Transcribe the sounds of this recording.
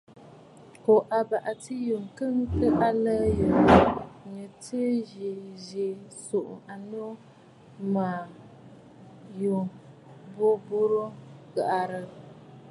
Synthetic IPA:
ko˨ʔa˨ba˨ʔa˨ti˦ju˨ŋkɨ˦ŋ˦kɨ˦ʔa˦lə˦jo˨ | ɲə˨te˦ɣi˨ze˨ | so˨ʔʊ̰˨ma˨no˦ | maː˨ | jo˨ | bo˦bo˦ɾo˦ɡa˨ʔa˨ɾə˨

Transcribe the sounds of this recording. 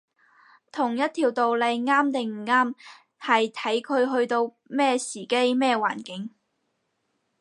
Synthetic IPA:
t̪ʰʊ˨˩ŋjɐ˥t̪̚ʰiː˨˩wt̪o˨wle˨˧jŋaː˥mt̪ɪ˨ŋm̩˨˩ŋaː˥m | hɐ˨jt̪ʰɐ˨˥jkʰɵ˨˧ɥɦɵ˧ɥt̪o˧w | mɛː˥siː˨˩ke˥jmɛː˥˧wa̰ː˨˩nkɪ˨˥ŋ

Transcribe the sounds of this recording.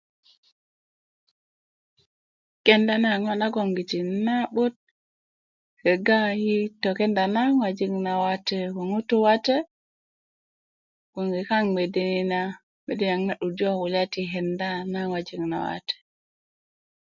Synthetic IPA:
ke˦nda˦na˦˨ŋɔ˦na˦ɡo˨ŋɡi˨t͡ʃi˨na˦ɓo˦t̚ | he˨ɡa˦ji˦to˨ke˦nda˨na˦ŋwa˨d͡ʒi˦ŋna˨wa˦te˦ko˨ŋu˦tu˦wa˦te˦ | ɡ̥o˨ŋɡi˨ka˦ŋme˨di˦ni˨na | me˨di˦n˨a˨ŋna˦ɗu˨do˦wu˨la˦ti˨ɦe˨nda˦na˦ŋwa˨d͡ʒi˨ŋna̰˨wa̰˦te̥˨

